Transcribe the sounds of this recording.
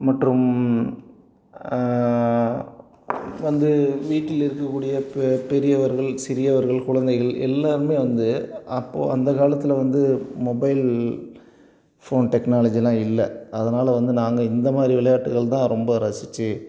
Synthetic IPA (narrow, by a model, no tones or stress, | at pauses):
mɐʈrɯm | ʋɐnd̪ɯʋiːʈːɪlɪɾɯkːɐkːuːɽɪjɐppɛɾɪjɐʋɐɾɣɐɭsɪɾɪjɐʋɐɾɣɐɭkʊɻɐnd̪ɐɪɣɐɭɛ̰lːaːɾɯmeːʋɐnd̪ɯɐpːo̰ːɐnd̪ɐkaːlɐt̪ːɪlɐʋɐnd̪ɯmɔbɐɪl | foːnʈɛknaːlɐd͡ʒilãːɪlːɐɐðɐnaːlɐʋɐnd̪ɯnaːŋɡɐɪnd̪ɐmaːd̪ɾiʋɪɭɐjaːʈːɯɣɐɭt̪ãːɾɔmbɐɾɐsɪt͡ʃːɯ